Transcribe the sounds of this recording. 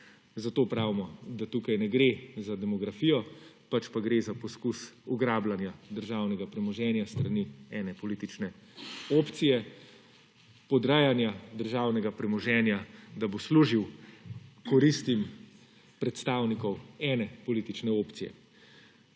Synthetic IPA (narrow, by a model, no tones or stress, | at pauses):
zat̪oːpɾaːwimɔd̪at̪uːkajnɛɡɾeːzad̪ɛmɔɡɾafiːjɔ | pat͡ʃpaɡɾeːzapɔskusuɡɾaːblanjad̪əɾʒaːwnɛɡapɾɛmɔʒɛːnjast̪ɾaniɛːnɛpɔlit̪it͡ʃnɛ | oːpt̪sijɛ | pɔd̪ɾaːjanjad̪əɾʒaːwnɛɡapɾɛmɔʒɛːnjad̪abosluːʒiw | kɔɾist̪im | pɾɛt̪st̪aːwnikɔwɛːnɛpɔlit̪it͡ʃnɛoːpt̪sijɛ̰